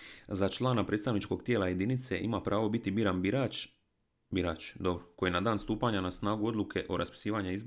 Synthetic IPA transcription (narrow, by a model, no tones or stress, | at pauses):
zat͡ʃlˠaːnapɾet̪st̪aʋnit͡ʃko̞ɡt̪jeːlaje̞d̪init̪se̞ʔimapɾʔaːʋo̞bit̪ibiːɾanba | biɾat͡ʃd̪o̞bɾoko̞jinad̪aːnst̪uːpaɲanasnaːɡuo̞d̪lukʰe̞ʔoɾʔaspi̥siːʋaɲeizb